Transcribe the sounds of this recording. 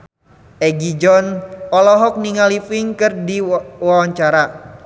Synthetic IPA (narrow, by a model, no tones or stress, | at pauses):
ʔɛɡid͡ʒɔnɔlɔɦɔk̚niŋalifɪŋkɨrdiwawaɲt͡ʃaɾa